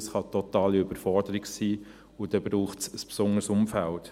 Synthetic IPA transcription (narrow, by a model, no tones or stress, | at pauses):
sχɑtɔt̪ɑːliøb̥əɾfɔɾdəɾɪɡsiː | ʊd̥ɛb̥ɾuːχtsəspsʊŋəɾsʊmfælt